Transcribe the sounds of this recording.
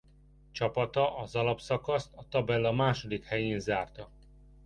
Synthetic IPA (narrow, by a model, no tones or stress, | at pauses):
t͡ʃɒpɒt̪ɒʔɒzɒlɒpsɒkɒst̪ɒt̪ɒbɛlːɒmaːʃod̪ikhɛjeːnzaːrt̪ɒ